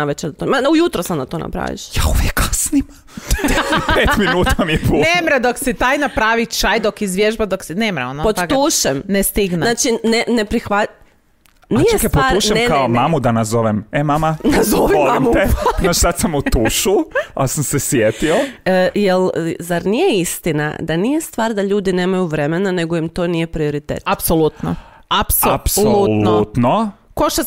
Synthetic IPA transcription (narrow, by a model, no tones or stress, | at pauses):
naʋet͡ʃed̪at̪omaujut̪ɾosad̪nat̪ona̰pɾa̰ʋḭʃjauʋjekːasnima | peːt̪minuːt̪amiepunemɾad̪oksit̪aːjnapɾaʋit͡ʃajd̪okizʋjeʒbad̪oksinemɾaonopot̪aɡ̪uːʃɛmnest̪iɡnenat͡ʃinenepɾixʋa | nijt͡ʃkepotauʃɛmkaomamud̪anazoʋememamanazoʋiolimut̪enat͡ʃsat̪samut̪uːʃuasamsesʋjet̪iojelzaɾnijeist̪ina̰d̪anijest̪ʋaːɾd̪aʎuːd̪ine̞ːmajuʋɾe̞menane̞ɡo̞imt̪o̞ːnije̞pɾio̞ɾit̪ḛːt̪apsolut̪no | apsoapsolnut̪no | koʃa